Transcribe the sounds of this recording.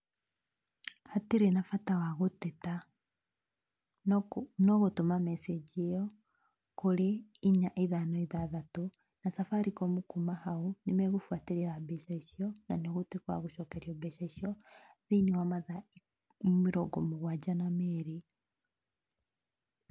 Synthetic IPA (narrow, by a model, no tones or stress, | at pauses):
hateɾenafatawaɣotɛta | nɔɣotomamɛsed͡ʒiejɔ | koɾeiɲaʔeðanɔiðaðato | nasafaɾikɔmokumahaunemɛɣofwateɾeɾabɛʃaiʃiɔnaneɣotekwa̰ɣoʃɔːkɛɾjɔbɛʃaiʃiɔðiniwamaða | meɾɔɡɔmoɣwad͡ʒanamɛɾe